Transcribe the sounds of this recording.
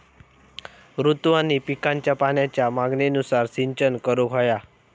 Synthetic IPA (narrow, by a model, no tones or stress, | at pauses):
ɾut̪ʋanipikãɲt͡ɕjapanjat͡ɕjamaɡnenusaɾsiɲt͡ɕənkəɾoɡʱoja